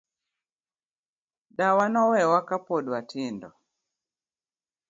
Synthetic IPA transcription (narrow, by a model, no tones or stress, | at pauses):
ɗawanɔwɛwakapɔɗwatindɔ